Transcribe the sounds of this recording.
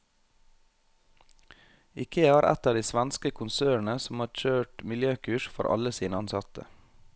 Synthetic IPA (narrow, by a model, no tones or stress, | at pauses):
ɪkʰeːɑːɾʔɛ̰t̪ɑːd̪iːsʋænskəkʰʊnsøːɳ̩əsɔm̩hɑːɾc͡çøːʈmɪljøːkʰʉːʃfɔ̰ɾʔɑ̰ləsiːnəɑnsɑt̪ʰə̰